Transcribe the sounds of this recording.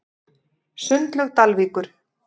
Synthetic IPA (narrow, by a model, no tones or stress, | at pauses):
sʏnt̪lœɣt̪alviːkʏɾ̥